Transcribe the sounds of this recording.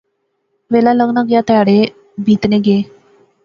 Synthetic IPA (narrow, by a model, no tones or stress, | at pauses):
ʋelaləɡnaɡjat̪əjaɽe | bʱiːt̪neɡeː